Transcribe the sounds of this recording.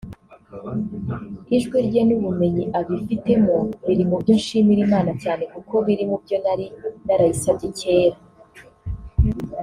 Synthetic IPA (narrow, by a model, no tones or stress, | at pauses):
iʒɡwiɾɟenuβume̞ɲiʔaβifite̞moβiɾimubɟonʃiːmiɾimaːnacaːne̞kuko̞βiɾimubɟo̞naɾinaɾaisatice̞ːɾa